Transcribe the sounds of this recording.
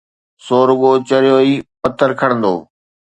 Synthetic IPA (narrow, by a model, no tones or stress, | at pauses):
soːɾʊɠoːt͡ɕɐɾjoːiːpɐt̪əɾkʰɐɽ̃ə̃nd̪o̰ː